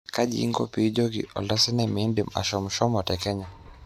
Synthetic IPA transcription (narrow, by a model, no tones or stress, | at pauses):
kaʄiiŋɡɔ̰pid͡ʒɔɡḭɔ̰lasinamindima̰ʃɔmuʃɔmɔtɛkɛɲa